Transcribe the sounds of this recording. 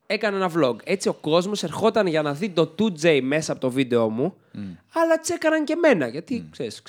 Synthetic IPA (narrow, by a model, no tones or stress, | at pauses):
e̞kɐnenɐvlo̞ɡe̞t͡sio̞ko̞zmo̞se̞ɾxo̞t̪ɐnʝɐnɐðit̪o̞t̪ud͡zejme̞sɐːpo̞t̪o̞vid̪e̞o̞mu | ɐlɐt̪i̥se̞kɐnɐŋce̞me̞nɐʝɐt̪ikseɾis